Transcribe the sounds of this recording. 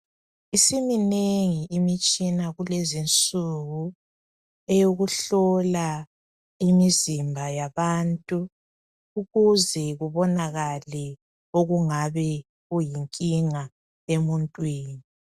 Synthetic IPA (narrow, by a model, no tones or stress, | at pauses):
isimineŋiʔimit͡ʃʼinaɣulezint͡sʼuɣu | ejoɣuɬɔla | imizimbʱajaβaːntʼu | uɣuzɛɣuβɔnaɣalɛ | oɣuŋaβɛ | ɣujiŋkʼiŋa | emuntʼwiːni